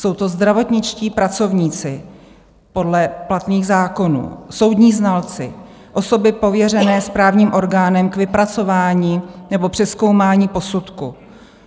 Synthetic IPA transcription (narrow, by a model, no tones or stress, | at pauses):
so̞wt̪o̞zd̪ɾavo̞t̪ɲɪt͡ʃciːpɾat͡so̞vɲiːt͡sɪ | po̞dlɛplat̪niːɣzaːko̞nṵːso̞wd̪ɲiːznalt͡sɪ | ʔo̞so̞bɪpo̞vjɛrɛnɛːspɾaːvɲiːmʔo̞ɾɡaːnɛmkvɪpɾat͡so̞vaːɲiːnɛbo̞pr̥ɛsko̞wmaːɲiːpo̞sut̪ku